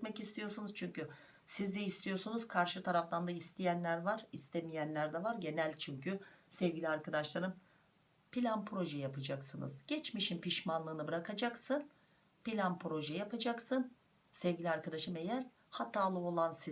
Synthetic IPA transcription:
mɛcist̪ʰijo̞sunuz̥t͡ʃʰyɲcy | sizd̪ɛist̪ʰijo̞sunuz̥kʰaɾʃɯt̪ʰaɾaft̪ʰand̪aist̪ʰijænlʲæɾvaɾist̪ʰemijænlʲæɾd̪ɛvaɾɟe̞nælʲt͡ʃʰyɲcʰysɛvɡɟʲilʲiaɾkad̪aʃlˠaɾɯm | pilʲanpʰɾo̞ʒɛjapʰad͡ʒaksɯnɯ̰zɟ̥ɛt͡ʃmiʃinpiʃmanlˠɯːnɯbɯɾakʰad͡ʒaksɯn | pilʲanpɾo̞ʒɛjapad͡ʒaksɯn | sɛvɟʲilʲiaɾkad̪aʃɯme̞jæɾ | hat̪ʰaːlˠɯo̞lˠansi

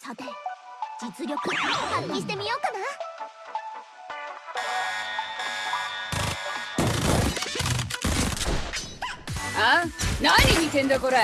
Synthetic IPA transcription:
sat̪ed͡ʑit͡sɨɾʲjokɯkaakʲiɕi̥t̪emʲijokana | anaininʲit̪end̪okoɾa

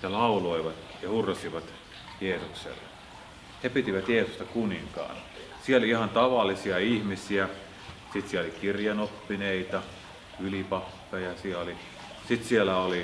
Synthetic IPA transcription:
jɑlɑuloiʋɑt̪ | jɑhurːɑsiʋɑt̪ | jeːsuksḛlːḛ | hepit̪iʋæt̪jeːsust̪ɑkuniŋkɑ̰ːn | sieoliihɑnt̪ɑʋɑlːisiɑihmisiæ | sit̪siæolikirjɑnopːineit̪ɑ | ylipɑkːɑjɑsiæoli | sit̪sielæoli

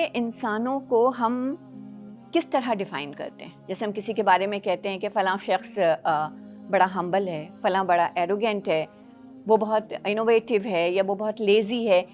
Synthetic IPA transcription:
eʔɪnsaːnõkoɦɐm | kɪst̪ɐɾaɖɪfa̰ːɪnkɐ̰ɾt̪ḛɦɛ̃ːd͡ʒɛːseɦɐmkɪsikebaːɾemẽkɛɦt̪eɦɛ̃kefɐlãʃɐxs | bɐɽaɦɐ̃mbəlɦɛːfɐlãbɐɽaʔɛːɾoːɡɛ̃ɳʈɦɛː | ʋobɐɦɔt̪ɪnoːʋeːʈɪʋɦɛːjaʋobɐɦɔt̪leːziɦɛː

